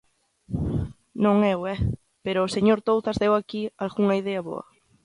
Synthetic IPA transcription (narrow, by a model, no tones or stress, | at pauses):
nõŋɛwɛ | peɾoːseɲoɾt̪owθazðewakialɣuŋaiðeaβo̰ɐ̰